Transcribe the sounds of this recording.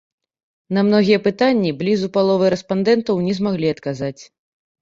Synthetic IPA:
nɐmnɔɣʲijɛpɨt̪anʲːiblʲizupalˠɔvɨɾɛspand̪ɛnt̪ɐwnʲɛzmaɣlʲiɐt̪kazat͡sʲ

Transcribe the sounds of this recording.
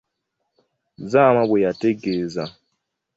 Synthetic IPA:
zamabwejateɡeːza

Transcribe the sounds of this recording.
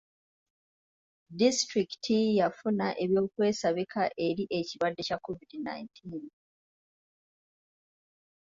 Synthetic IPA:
distɾiki̥tijafunaʔe̞βjo̞ːkwe̞ːsaβikʰaʔe̞ɾiʔe̞ciβadːe̞cakʰːovidina̰jintʰiːn

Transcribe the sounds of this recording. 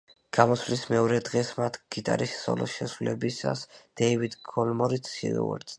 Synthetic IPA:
ɡ̥amɔsvlismɛɔɾɛd̪ʁɛsmat̪ʰɡ̥it̪ʼaɾisːɔ̰lɔ̰ʃɛsulɛbisa̰sd̪̥ɛivid̪ɡʰɔlmɔɾit̪ʰʃḭɾɔ̰ɛ̰ɾt̪

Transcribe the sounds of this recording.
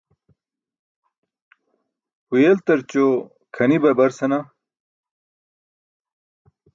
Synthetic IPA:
hujelt̪ɐɾt͡ɕo | kʰɐnibɐbɐɾsɐna

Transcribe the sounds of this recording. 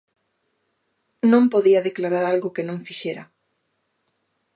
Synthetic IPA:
nõmpoðiɐðeklaɾaɾalɣʊkɪnõŋfiʃeɾɐ

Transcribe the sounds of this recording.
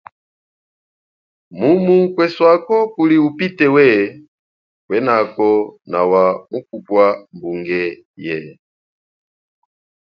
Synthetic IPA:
mumuŋ̩kwɛswakɔkuliupitɛwɛ | kwɛnakɔnawamukupwambuŋɡɛ | jɛ

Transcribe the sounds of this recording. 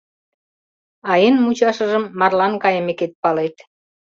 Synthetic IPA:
ɑenmut͡ɕɑʃə̆ʒə̆mːɑrlɑnkɑjə̆meket̪̚pɑlet̪

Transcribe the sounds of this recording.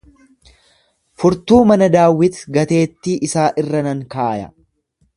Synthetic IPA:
fʊɾt̪uːmɐnɐd̪aːwːɪt̪ɡɐt̪e̞ːt̪ːiːʔɪsaːʔɪrːɐnɐŋkaːjɐ̰

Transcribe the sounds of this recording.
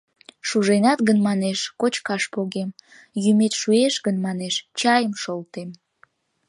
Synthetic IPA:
ʃuʒenɑt̪ɣənmɑneʃkot͡ɕkɑʃpoɣem | jymet̪ʃueʃɣənmɑneʃt͡ɕɑjəmʃolt̪em

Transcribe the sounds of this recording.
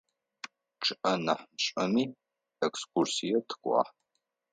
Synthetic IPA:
ʈ͡ʂʰɨʔɐnaħmɕʼɐmiː | ɛkskʷursijɛtʰɨ̥kʷʼɑ̰ːħ

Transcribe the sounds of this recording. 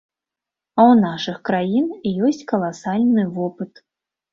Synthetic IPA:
ɐwnaʂɨxkɾajinijɔsʲt͡sʲkɐlˠasalʲnɨvɔpɨt̪

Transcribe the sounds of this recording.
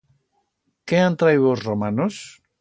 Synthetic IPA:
keant̪ɾajɣozromanos

